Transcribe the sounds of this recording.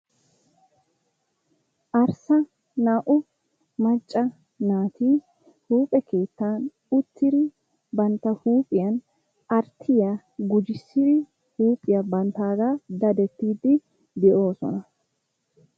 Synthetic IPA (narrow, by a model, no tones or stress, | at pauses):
ʔɐɾsɐ | naːʔʊ | mɐt͡ʃʼːɐ | naːt̪iː | huːpʼɛkʰe̞ːt̪ːaːn | ʊt̪ːɪd̪ɪ | bɐnt̪ːɐhuːpʼɪjɐn | ɐɾt̪ʰːɪja | ɡʊd͡ʒɪsːɪd̪ɪ | huːpʼɪjɐbɐnt̪aːɡ̪aːd̪ɐd̪ɛt̪ːiːd̪ːɪ | d̪ɛʔo̞ːsɔ̰nɐ